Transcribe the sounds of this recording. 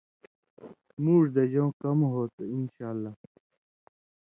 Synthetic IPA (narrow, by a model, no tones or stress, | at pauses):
muːʐd̪ɐd͡ʑõːkɐmɦoːt̪einɕaːlːa